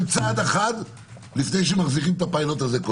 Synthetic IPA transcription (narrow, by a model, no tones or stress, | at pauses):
mt͡saːd̪eχad̪ | lifne̞jʃ̬emaχziχimt̪apailo̞t̪azeko